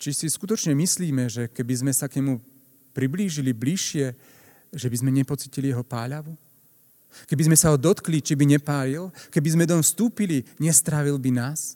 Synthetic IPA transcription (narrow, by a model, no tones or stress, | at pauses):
t͡ʃisiskut̪ɔt͡ʃɲɛmisliːmɛʒɛkɛbizmɛsakɲɛmu | pɾibliːʒilibliʃːɪɛ | ʒɛbizmɛɲɛpɔt͡siːcilijɛɦɔpa̰ːʎaʋu | kɛbizmɛsaɦɔd̪ɔt̪klit͡ʃibiɲɛpaːlilkɛbizmɛd̪ɔmfst̪uːpiliɲɛst̪ɾaʋilbinaːs